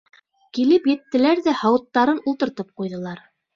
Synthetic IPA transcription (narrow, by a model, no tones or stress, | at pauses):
kilɘpjɘ̆t̪ːɘ̆læɾðæhɑwɤ̆t̪ːɑɾɤnulˠt̪ɤ̆ɾt̪ɤp̚qujðɤ̆lˠɑɾ